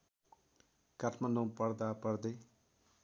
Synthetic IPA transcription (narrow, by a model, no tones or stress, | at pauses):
katʰmandõpʌrd̪apʌrd̪ʌj